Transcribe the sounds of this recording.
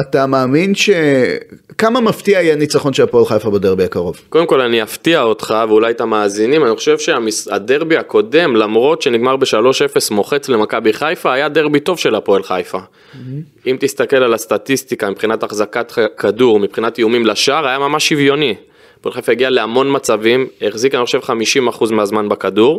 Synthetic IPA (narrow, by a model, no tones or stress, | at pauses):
at̪amaːminʃe | kamamaftiaajanit͡saχo̞nʃelapoelχajfabedeʁbiakaʁo̞vko̞d̪emko̞laniaftiaot̪χaveulajt̪amaːzinimaniχo̞̥ʃevʃeamisa̰de̞ʁbiako̞de̞mlamʁo̞t̪ʃe̞niɡmaʁbe̞ʃalo̞ʃe̞fe̞smo̞χe̞t͡sle̞makabiχajfaːjadeʁbito̞vʃe̞lapo̞elχajfa | imt̪ist̪ake̞lalast̪at̪istikamipχinataχzakatkʰaduʁmipχinatjeumimlaʃaʁajamamaʃivjo̞ni | po̞elχajfaeɡiale̞amo̞nmat͡savimeχzikaniχo̞ʃevχamiʃimaχuzmeazmanbakaduʁ